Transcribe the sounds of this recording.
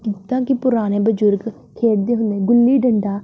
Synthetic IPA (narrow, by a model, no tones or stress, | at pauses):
ɪt̪ːãːkɪpʊɾaːneːbəd͡ʒʊɾɡ | kʰeːɽd̪eːɦʊ̃nd̪ẽːɡʊlːiːɖəɳɖaː